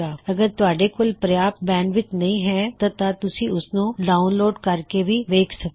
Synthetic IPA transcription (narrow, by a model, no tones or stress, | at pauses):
aːɐɡəɾt̪ʊaːɖekʊlpɾɐjaːpbɛ̃ːnʋɪt̪nɐɦĩɦɛt̪ɐt̪at̪ʊsĩʊsnũɖaːʊnloːɖkɐɾkebʱiʋeːkʰsɐk